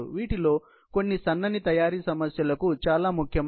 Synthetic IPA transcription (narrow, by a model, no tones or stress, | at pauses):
uʋiːʈilo̞ː | ko̞nːisɐnːɐnit̪ɐjaːɾiːsɐmɐsjɐlɐkut͡ʃaːlaːmukʰjɐ